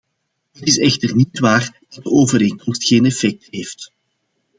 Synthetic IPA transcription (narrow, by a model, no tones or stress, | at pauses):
ɦətɪsɛxtərnitʋaːrd̥ɑt̚dəʔoːvəɾeːŋkɔmstxeːnɛfɛk̚təɦeːft